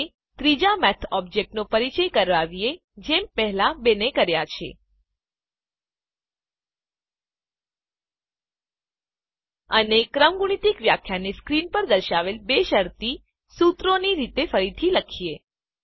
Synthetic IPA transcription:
t̪ɾid͡ʒamɛt̪ʰɔb̚d͡ʒek̚ʈnopəɾit͡ʃəjkəɾʋaʋie | d͡ʒempɛɦlabenekəɾjat͡ʃʰḛ | ənekɾəmɡuɳ̃it̪ikʋjakʰjaneskɾinpəɾd̪əɾʃaʋelbeʃəɾt̪i | sut̪ɾoniɾit̪efəɾit̪ʰiləkʰie

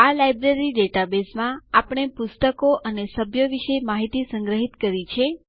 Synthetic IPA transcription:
alajbɾeɾiɖeʈabesmãapəɳ̃epʊst̪əkoʔənesəbʱjəʋiʃemaɦit̪isəŋɡɾəɦit̪kəɾit͡ʃʰe

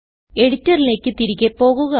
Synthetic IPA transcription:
e̞ɽitːɐrile̞ːkʲːɨt̪iɾikʲːepːo̞ːɣuɣɐ

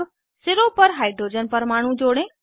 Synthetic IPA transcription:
sɪɾopɐɾɦaːɪɖɾoːd͡ʑənpɐɾmaːɽ̤ũd͡ʑoːɽẽ

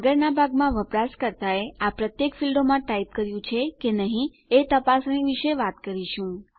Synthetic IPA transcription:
əɡəɾnabʱaɡmãʋəpɾaskəɾt̪aeapɾət̪jekfilɖomãʈaip̚kəɾjũt͡ʃʰekenəɦĩ | et̪əpasniʋiʃeʋat̪kəɾiʃũ

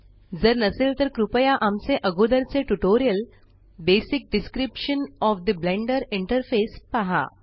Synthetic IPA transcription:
d͡zəɾnəselt̪əɾkɾupəjaʔamt͡seʔəɡud̪əɾt͡seʈuʈoɾijəl | besik̚ɖiskɾipʂənɔfd̪əblẽɳɖəɾiɳʈəɾfespaɦa̰

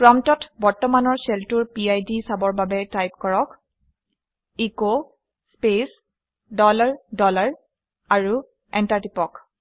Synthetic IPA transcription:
kɹɔmtɔtbɔɹtɔmanɔɹsɛltuɹpiajdisabɔɹbabɛtajp̚kɔɹɔk | iko | spes | dɔlaɹdɔlaɹ | aɹu | ɛntaɹtipɔk

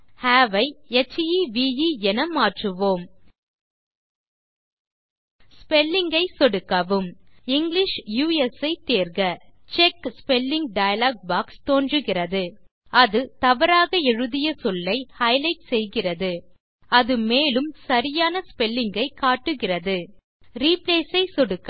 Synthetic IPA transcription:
haːʋɐɪɛt͡ʃːjiʋiːjiɛnɐmaːʈrɯʋoːm | spɛlːɪŋɡɐɪsɔɽɯkːɐʋɯmɪŋɡlɪʂjuːɛsɐɪt̪eːɾɣɐt͡ʃɛkspɛlːɪŋɡ̚ɖɐjɐlaːɡ̚baːkst̪oːndrɯɣɪrɐðɯ | ɐðɯt̪ɐʋɐɾaːɣɐɛɻɯðɪjɐsɔlːɐɪhɐɪlɐɪʈsɛjɣɪrɐðɯ | ɐðɯmeːlɯmsɐɾɪjaːnɐspɛlːɪŋɡɐɪkːaːʈːɯɣɪrɐðɯ | ɾiːpleːsɐɪsɔɽɯkː

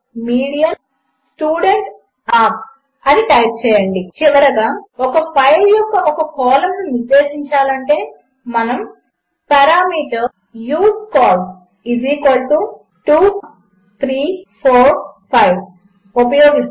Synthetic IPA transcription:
miːɽijɐn | sʈjuːɽeɳʈ | aːp̚ | ɐniʈɐjp̚t͡ʃɛːjɐɳɖit͡ʃiʋɐɾɐɡaːɔkɐpʰɐjljɔkːɐʔɔkɐkɔːlɐmnuniɾd̪eːʃiɲt͡ʃaːlɐɳʈe̞ː | mɐnɐm | pɐɾaːmiːʈɐɾ | juːt̪̚kɔːl | iziːkɐɽt̪u | ʈuː | t̪ʰɾiːpʰoːɾpʰɐjb | upɐjoːɡi

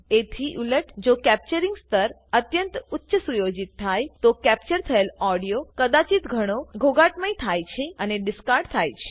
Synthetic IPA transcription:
et̪ʰiʔuləʈd͡ʒokɛp̚t͡ʃəɾiŋɡst̪əɾ | ət̪jənt̪ʊtːʃəsujod͡ʒit̪ʰːajt̪okɛp̚t͡ʃəɾt̪ʰəelɔɽijokəd̪at͡ʃit̪ɡʱəɽ̃oɡʱoɡaʈməjt̪ʰajt͡ʃʰeəneɖɪskaɾɖt̪ʰajt͡ʃʰe̥

